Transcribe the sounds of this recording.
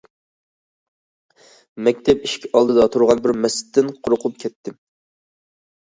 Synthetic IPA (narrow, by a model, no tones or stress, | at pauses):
mɛkʲt̪ʰɛpiʃkʲɑlˠd̪ɨd̪ɑt̪ʰuɾʁɑnbɪɾmɛsɪ̥t̪ʰːɪnqʰʊɾʊqʰʊp̚kʲʰɛt̪ʰːɪm